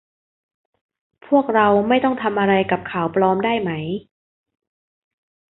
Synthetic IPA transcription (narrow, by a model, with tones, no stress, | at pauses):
pʰu˥˩ək̚ɾa˧wma˥˩jt̪ɔ˥˩ŋt̪ʰa˧mʔa˧ɾa˧jka˨˩p̚kʰaː˩˦wpɾɔː˧mdaː˥˩jma˦˥j